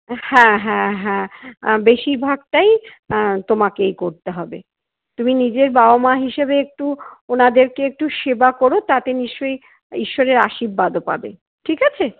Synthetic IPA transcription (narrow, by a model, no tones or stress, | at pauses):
hɛ̃ɦɛ̃ɦɛ̃beʃiɾbʱaɡ̚ʈaj | t̪omakejkoɾt̪eɦɔbe | t̪uminid͡ʑeɾbaomaɦiʃebeek̚ʈuonad̪eɾkeek̚ʈuʃebakoɾot̪at̪eniʃt͡ɕoj | iʃːoɾeɾaʃibːad̪opa̰bḛ | ʈʰikat͡ɕʰe